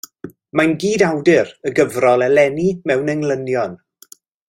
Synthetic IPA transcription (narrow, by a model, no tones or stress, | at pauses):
manɡiːdawdɪɾəɡəvrɔlˠɛlɛnimɛwnəŋlənjɔn